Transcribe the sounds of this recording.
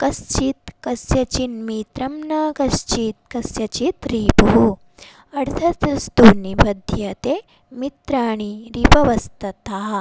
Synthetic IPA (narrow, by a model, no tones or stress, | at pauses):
kɐst͡ʃit̪kɐsjɐt͡ʃinmit̪ɾɐmnɐkɐst͡ʃiːt̪̚kɐsjɐt͡ʃit̪ɾiːpuɦu | ɐɽt̪ʰɐt̪ɾɐst̪uːnibɐd̪ʱjɐt̪e | mit̪ɾaːɳ̃iɾipɐʋɐst̪ɐt̪aːɦɐ